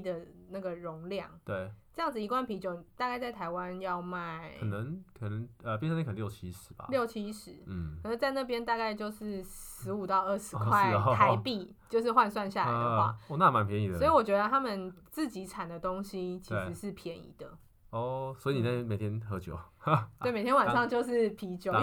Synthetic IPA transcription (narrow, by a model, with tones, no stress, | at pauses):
d̪ə˨na˥˩ɡə˩ɻʊ˧˥ŋljɑ̰˥˩ŋt̪we˥˩ɪʈ͡ʂɤ˥˧jɑ˥˩ŋd͡z̩˨i˧˥kwa˥˩npʰi˧˥t͡ɕjo˧˩ʊt̪a˥˧ka˥˧ɪt͡sa˥˩ɪt̪ʰa˧˥ɪwa˦njɑ˥˧ʊma˥˩ɪə˨nə˧˦ŋkʰə˨˩nə˧˦ŋə˧p̬ʲjsã˥˧˥k̪ʰə˧jo˨˩t͡ɕʰi˧˥ʂɻ̩˨˩b̥ɐ̰˨ljo˥˩ʊt͡ɕʰi˧˥ʂɻ̩ʰ˨˦˥ə˩ə˧˦nt͡sa˥˧ɪna˥˧˩p̬jɛ˥nt̪a˥˧ka˥˧ɪt͡ɕjo˥˧ʊʂɻ̩˥˩ʂɻɻ̩˧˥u˨˩t̪ɑ˥˧ʊə˥˩ʂɻ̩˧˥kʰwa˥˩˧t̪ʰa˧ɪpi˥˧t͡ɕjo˥˧ʊʂɻ̩˥˧xwa˥˧nswa˥˧nɕja˥˩ldxwa̰˥˩wɔ˨na˥˨ma˧˦npʰjɛ˧˦ni˨˩d̪əsi˨wɔ˨˩t͡ɕɥɛ˧˥d̪ə˧t̪ʰa˦˥mə˨nt͡sɹ̩˥˩t͡ɕi˨˥ʈ͡ʂʰa˨˩nd̪ə˩t̪o˦ŋɕi˧˥t͡ɕʰi˧ʂ̩˧˦ʂɻ̩˥˩pʰjɛ˧˥nḭ˨˩˦d̪ə˨ | ɔ˥˧˩swɔ˧˥i˨˧ni˨˩na˥˩˥me˨˩ɪt̪ʰjɛ˥nxɤ˧˥t͡ɕjo̰˨˩˦ʊtt̪e˥˩e˨˩t̪ʰjɛ˥nwa˨˩nʂɑ˥˧ŋt͡ɕjo˥˧ʊʂɻ̩˥˩pʰi˧˥t͡ɕjo˨˦